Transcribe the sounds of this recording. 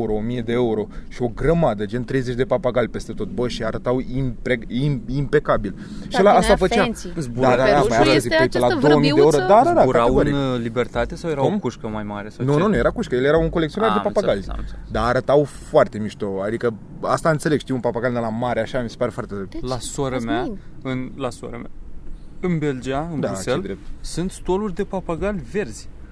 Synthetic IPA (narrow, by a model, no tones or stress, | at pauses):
uɾoomije̞d̪e̞euɾo̞ʃio̞ɡɾəmad̪əd͡ʒe̞nt̪ɾe̞jze̞t͡ʃd̪e̞papaɡalʲpe̞st̪e̞t̪o̞t̪̚bəʃiaɾət̪awimpeiimpe̞kabil | ʃilaast̪afət͡ʃabd̪ad̪aapajaaazielad̪owəmieoɾod̪aɾaɾaaaeaɾlibert̪at̪esawjeɾakuʃkəmajmaɾesanununuje̞ɾakuʃkəjelje̞ɾawuŋkolekt̪sionard̪epapaɡalʲd̪aːɾət̪awfoart̪e̞miʃt̪oad̪ikə | ast̪aɨnt̪se̞leɡʃt̪iwunpapaɡalʲd̪elamaɾeaʃamise̞paɾe̞foart̪ed̪ɾep̪lasaɾəmaɨnlasa̰ɾəmaɨnbe̞ld͡ʒiaɨnd̪auseld̪ɾep̚t̪sɨnt̪st̪olurʲd̪e̞papaɡalʲve̞rz̥ʲ